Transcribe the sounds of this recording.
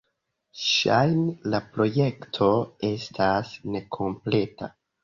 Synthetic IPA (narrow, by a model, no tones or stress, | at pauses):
ʃajnlapɾo̞je̞ktʰo̞e̞stʰasne̞kʰo̞mple̞ta̰